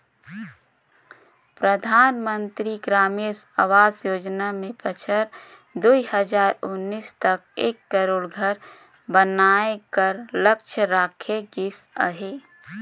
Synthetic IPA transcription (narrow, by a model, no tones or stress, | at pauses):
pɾəd̪ʱaːnmə̃nt̪ɾiɡɾaːmes | aʋaːzjoːd͡ʒnamẽpət͡ʃʰəɾ | d̪uihəd͡ʒaːɾʊnːist̪əkeːkːəɾoːɽɡʱəɾ | bənaːekəɾləkt͡ʃʰəɾaːkʰeɡɪsə̰ɦeː